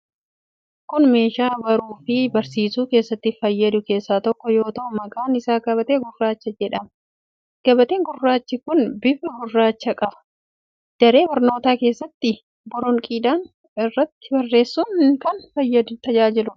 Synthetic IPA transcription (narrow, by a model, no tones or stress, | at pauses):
kʊnme̞ːʃaːbɐɾuːfɪbɐɾsiːsuːke̞ːsːɐt̪ːɪfɐjːɐd̪ʊke̞ːsːaːt̪ɔkːɔjo̞ːt̪ɐʔʊmɐkʼaːnɪsaːkɐbɐt̪eːɡʊrːaːt͡ʃːɐd͡ʒɛᶑɐm | ɡ̥ɐbɐt̪eːŋɡʊrːaːt͡ʃːɪkʊnbɪfɐɡʊrːaːt͡ʃːɐkʼɐbɐ̥ | d̪̥ɐɾe̞ːbɐɾno̞ːt̪aːke̞ːsːɐt̪ːɪ | bɔɾɔŋkʼiːd̪aːn | ɪrːɐt̪ːɪ̥bɐrːe̞ːsːʊnkɐnfɐjːɐd̪ʊt̪ɐd͡ʒaːd͡ʒɪlʊ